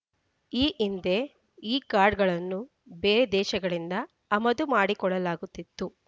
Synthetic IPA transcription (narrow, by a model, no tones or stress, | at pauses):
iːʔind̪e̞ | iːkaːɾɖɡɐɭɐnːu | beːɾed̪ɛːʃɐɡɐɭind̪ɐː | mɐd̪umaːɽikɔɭːɐlaːɡut̪ːit̪ːu